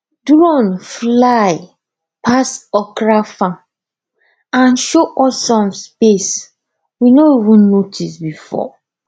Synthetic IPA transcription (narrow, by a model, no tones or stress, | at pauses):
dɹɔ̃nflaɪ | pʰasɔkɹafã | ãnʃoʔɔsɔ̃mspes | winoivũnːotʰisbifɔ̰